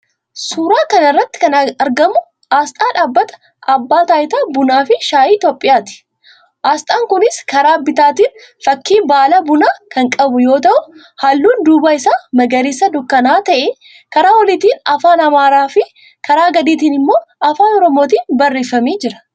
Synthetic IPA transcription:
suːɾaːkɐnɐrːɐt̪ːɪ̥kɐnɐɐɾɡɐmʊ | ʔaːst̪ʼaːᶑaːbːɐt̪ɐ̥ | ʔɐbːaːt̪aːjɪt̪abʊnaːfɪʃaːjiːt̪oːpʼːɪjaːt̪ɪ̥ | ʔaːst̪ʼaːŋkʊnɪskɐɾaːbɪt̪aːt̪iːn | fɐkːiːbaːlɐbʊnaːkɐŋkʼɐbʊjo̞ːt̪ɐʔʊ | hɐlːuːnd̪uːbaːɪsaːmɐɡɐɾisːɐd̪ʊkːɐnaːt̪ɐʔɛ | kɐɾaːwɔlɪt̪iːnɐfaːnɐmaːɾaːfɪ | kɐɾaːɡɐd̪iːt̪̬iːnɪmːo̞ːʔɐfaːnɔɾɔmo̞ːt̪̬iːnbɐrːeːfɐmeːd͡ʒɪɾɐ̥

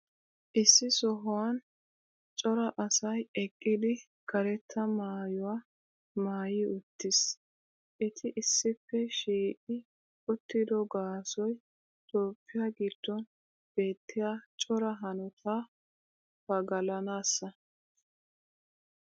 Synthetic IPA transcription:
ʔɪsːɪsɔɦʊwɐn | t͡ʃʼɔɾɐʔɐsɐjɛkʼːɪd̪ɪ | kɐɾɛt̪ʰːɐmaːjɔwaː | maːjiːʊt̪ːɪs | ʔɛt̪ʰɪʔɪsːɪpːɛʃiːʔʼɪ | ʊt̪ːɪd̪ɔɡaːsɔj | t̪ʼoːpːɪjaɡɪd̪̥ːɔn | b̥e̞ːt̪ːɪjaːt͡ʃʼɔɾɐɦɐnɔt̪ʰaː | fɐɡɐlɐnaːsːɐ

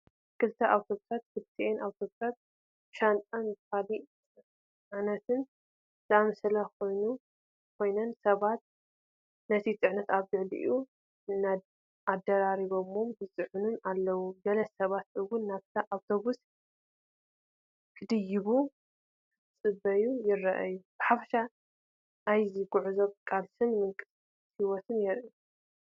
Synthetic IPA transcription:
kʰɨlt̪ʰɐʔawt̪ʰo̞βusat̪kʰɨlt̪ʰenawt̪ʰo̞βusat̪̚ | ʃant̪ʼɐnbɨkalit͡sʼ | nɐt̪ɨn | zɨʔamɐsɐlɐko̞jnu | kʰo̞jnɐnsɐβat̪̚ | nɐt̪ʰit͡s̪ʼɨʕnɐt̪aβzɨʕlḭʔu | na | ad̪ːɐɾaɾiβomombɨt͡sʼɨʕʊnunalːɐwuɡɐlɐsɐβat̪ɨwʊnːaβt̪ʰɐʔawt̪ʰo̞βus | kʰɨd̪ɨjɪβu | kʰɨt͡sʼɨbːɐjujɪrːɐʔa̰jub̥ɨħafɐ̥ʃa | ʔːjziɡʊʕuzoβkʼalsɨnmɨŋkʼɨ̥s | t̪hiwɔt̪ʰɨnjɛɾʔi

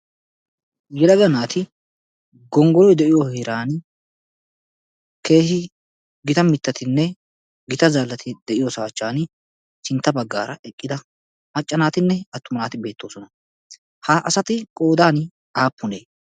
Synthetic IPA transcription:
jɛlɐɡɐnaːt̪ʰɪ | ɡɔŋɡɔlɔjd̪ɛʔɪjoheɾaːn | ke̞ːhɪ | ɡɪt̪ɐmɪt̪ːɐt̪ɪnːɛ | ɡɪt̪ɐzaːlːɐt̪ʰɪd̪ɛʔɪjosaːt͡ʃːaːn | sɪnt̪ːɐbɐɡːaːɾɐʔɛkʼːɪd̪ɐ | mɐt͡ʃʼːɐnaːt̪ɪnːɛɐt̪ːʊmɐnaːt̪ɪbe̞ːt̪ːo̞ːsɔnɐ | hɐʔɐsɐt̪ɪkʼo̞ːd̪aːn | aːpːʊneː

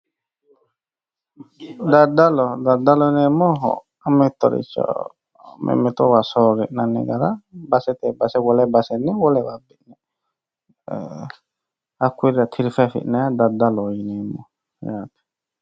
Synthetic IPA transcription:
dadalɔd̪adalɔjnɛmɔɦɔ̰ | amɛt̪ɔɾḭt͡ʃɔ̰ | mʔɛ̰mɛt̪ɔwasɔɾɾɛʔnanɛ̰ɡaɾabasɛt̪ɛbasɛwɔlɛbasɛniwɔlɛwabiʔnɛ | akʰuɾat̪ʰiɾfafḭʔnaad̪ad̪alɔjnɛmɔ | japʰ

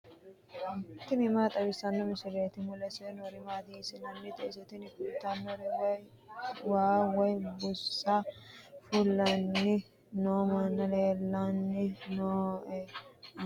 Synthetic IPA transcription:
ɪt̪ːɪmɪmaːt̪ʼɐbɪsɐnːɔmɪsɪɾeːt̪ɪmʊlɛsɛnɔɾɪmaːd̪iːsɪnɐnːɪt̪ɛʔɪsɛt̪ɪnɪkut̪ːanːɔɾɛ | waːwɔjbʊsːafʊlːɐnːɪ | noːmanːɐleːlːanːɪnoː

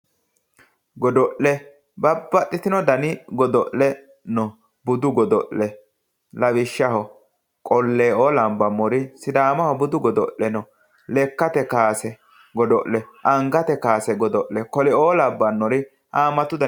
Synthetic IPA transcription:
ɡɔd̪ɔʔɛ | bɐbːɐt̪ʼːɪt̪ɪnɔd̪ɐnɪɡɔd̪ɔʔlɛ | nɔ | bʊd̪ʊɡɔd̪ɔʔɛ | lɐbɪʃːɐhɔ | kʼɔlːeːoːlɐmbɐmːɔɾɪsɪd̪aːmɐhɔbʊd̪ʊɡɔd̪ɔʔɛnɔ | lɛkːɐt̪ɛkaːsɛ | ɡɔd̪ɔʔlɛʔɐŋɡɐt̪ɛkaːsɛɡɔd̪ɔʔlɛkɔlɛoːlɐbːɐnːɔɾɪ | ʔaːmɐt̪ːʊd̪ɐ

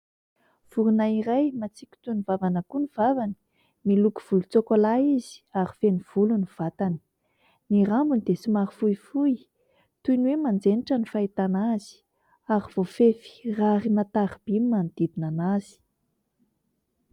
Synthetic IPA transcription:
v̥uɾunaiɾajmat͡sikʲu̥t̪univavanəkuniv̥avani̥ | miluku̥v̥ulut͡sokolaizi̥aɾifeniv̥uluniv̥at̪ani̥ | niɾambunid̪esumaɾifujfuj | t̪ujnwemand͡zeniʈ͡ʂənifait̪anaz̥i̥ | aɾiv̥ofefi̥raɾimat̪aɾib̥imːand̪̥id̪inanaz̥i̥

